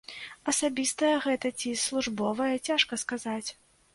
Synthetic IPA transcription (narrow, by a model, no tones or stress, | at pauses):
ɐsabʲist̪ɐjɛɣɛt̪ɐt͡sʲislˠuʐbɔvɐjɛt͡sʲaʂkɐskazat͡sʲ